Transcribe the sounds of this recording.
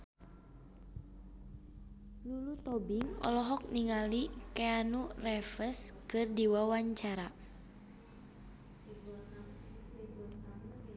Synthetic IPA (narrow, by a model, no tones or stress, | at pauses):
lulut̪ɔbiŋɔ̰lɔɦɔk̚niŋalikɛanurɛfəskɨrdiwawaɲt͡ʃaɾa